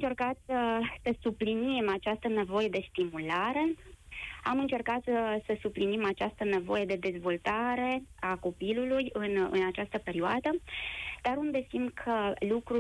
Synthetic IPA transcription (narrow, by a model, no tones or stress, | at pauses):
ɨnt͡ʃe̞rkat̪səsəsublinimat͡ʃast̪əne̞vo̞je̞d̪e̞st̪imulaɾe̞ | amɨnt͡ʃe̞rkat̪səsəsublinimat͡ʃast̪əne̞vo̞je̞d̪e̞d̪e̞zvo̞lt̪aɾe̞ako̞pilulujɨnɨ̰nat͡ʃast̪əpe̞ɾioa̰d̪əd̪̥aɾund̪e̞simt̪̚kʰəlukɾu